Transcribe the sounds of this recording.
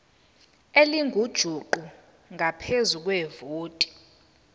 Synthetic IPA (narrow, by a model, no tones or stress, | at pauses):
eliŋɡʱud̥ʒ̥ʱuǃu | ŋʱapʰezuk̬wɛvoːtʼi̥